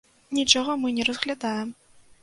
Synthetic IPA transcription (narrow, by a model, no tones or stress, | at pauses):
nʲit͡ʂɔɣɔmɨnʲɛɾɐzɣlʲad̪ajɛm